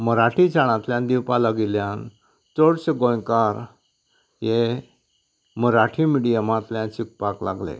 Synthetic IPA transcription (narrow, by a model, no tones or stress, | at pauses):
məɾaʈʰit͡ɕaɽ̃ãt̪ljãnd̪iwpalaɡiljãn | t͡soɽɕəɡõjkaɾ | je | məɾaʈʰimiɽijəmãt̪ljãnt͡ɕik̚pakla̰ɡlḛ